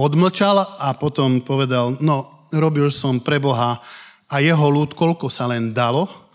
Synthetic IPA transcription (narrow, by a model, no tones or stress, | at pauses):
ɔd̪ml̩t͡ʃalapɔt̪ɔmpɔʋɛd̪alnɔ | ɾɔbilsɔmpɾɛbɔɦa | ajɛɦɔluːt̪kɔlkɔsalɛnd̪alɔ